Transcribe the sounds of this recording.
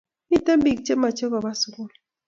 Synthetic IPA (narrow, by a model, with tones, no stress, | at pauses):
i˦te˦mbi˨kt͡ʃe˦ma˨t͡ʃɛ˦ka˨ba˦su˨ku˦˨l